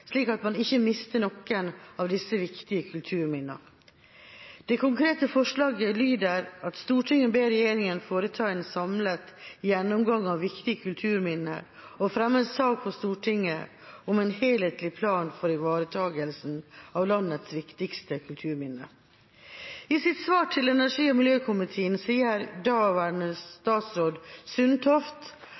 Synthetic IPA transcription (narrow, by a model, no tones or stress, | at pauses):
ʂliːkɑt̪mɑnɪçːəmɪst̪ənɔkːənɑːʋd̪ɪsːəʋɪkt̪ɪəkʰʉlt̪ʰʉːɾmɪnːə̰ | d̪̥ɛkʰʊŋkʰɾeːt̪əfɔʂlɑːɡəlyːd̪əɾɑt̪st̪uːʈʰɪŋːəbeːɾɛjeːɾɪŋənfoːɾət̪ʰɑɛnsɑmlət̪jɛnːʊmɡɑŋːɑʋʋɪkt̪ɪəkʰʉlt̪ʰʉːɾmɪnːə̰ɾ | ɔfɾɛmːəssɑːk̚pʰɔst̪uːʈʰɪŋːə̰ | ɔmɛnheːleːt̪lɪpʰlɑːnfɔɾɪʋɑːɾət̪ʰɑːɡəlsn̩ɑʋlɑnːət̪sʋɪkt̪ɪkst̪əkʰʉlt̪ʰʉːɾmɪnːə̰ | ɪsɪt̪sʋɑːʈʰɪlɛnæʂiːɔmɪljøːkʰʊmɪt̪ʰeːənsiːəɾd̪ɑʋæɳəst̪ɑːt̪sɾoːd̪sʏnt̪ʰɔft̪